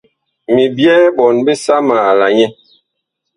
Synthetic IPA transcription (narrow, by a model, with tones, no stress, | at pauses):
mi˨bjɛː˦bɔ˨nbe˦sa˦ma˨la˨ɲɛ˦